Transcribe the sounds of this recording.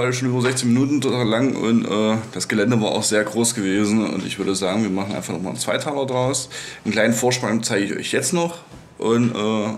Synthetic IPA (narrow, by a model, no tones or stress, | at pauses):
aləʃoːnʔyːbɐzɛçt͡sɪçminuːtn̩totʰaːləlaŋʊ̰ntʔɛːd̥asɡ̥əlɛndəvaːɐʔa̰ʊxz̥eːɐɡʁoːsɡ̥əveːzn̩ʊ̰ntɪ̰çv̥ʏɐɾəzaːɡŋviːɐmaχn̩a̰ɪnfaχnɔχma̰ːlnt͡sv̥aɪtʰaːlɐdʁaʊsnkl̥aɪnənfoːɐʃpaŋt͡saɪɡəɪçʔɔ̰ʏçjɛt͡stnɔχ | ʔʊntʔɛː